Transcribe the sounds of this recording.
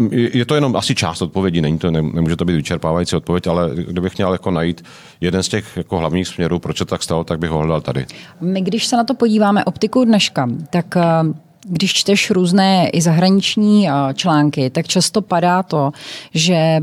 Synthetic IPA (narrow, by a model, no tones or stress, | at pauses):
ɛjɛt̪ojɛnomʔasɪt͡ʃa̰ːst̪ot̪̚povjɛɟiːnɛɲiːt̪onɛnɛmuːʒɛt̪obiːt̪vɪt͡ʃɛɾpaːvajit͡siot̪̚povjɛcalɛɡdɪbɪxmɲɛljakonajiːt̪ | jɛdɛnscɛxjakoɦlavɲiːxsmɲɛɾuːpɾot͡ʃsɛt̪ot̪akst̪alot̪aɡ̚bɪɣɦoɦlɛdalt̪adɪ̰mɪɡdɪʃsɛnat̪o̞po̞ɟiːvaːmɛʔo̞pt̪ɪkudnɛʃkat̪ak | ɡdɪʃt͡ʃt̪ɛʃɾuːznɛːʔɪzaɦɾaɲɪt͡ʃɲiːt͡ʃlaːŋkɪt̪akt͡ʃast̪o̞padaːt̪o̞ʒɛ